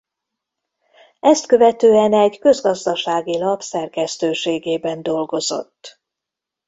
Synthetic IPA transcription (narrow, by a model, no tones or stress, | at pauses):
ɛst̪kø̞vɛt̪øːɛnɛɟkø̞zɡɒzd̪ɒʃaːɡilɒpsɛrkɛst̪øːʃeːɡeːbɛnd̪o̞lɡo̞zo̞̰t̪ː